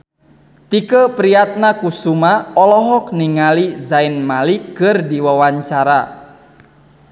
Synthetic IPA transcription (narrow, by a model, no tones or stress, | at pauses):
t̪ikəpɾijat̪̚nakusumaɔlɔɦɔk̚niŋalizainmalikərdiwawaɲt͡ʃaɾa